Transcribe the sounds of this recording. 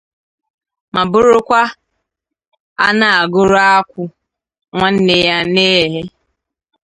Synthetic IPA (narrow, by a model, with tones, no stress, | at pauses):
ma˨bʊ˦ɾʊ˦kʷa˦ | a̰˦na˨a˨ɡʊ˦ɾʊ˦a˦kʷʊ˦ | ŋʷa˦n̩˦ne˨ja˦ne˦˨ɦe˦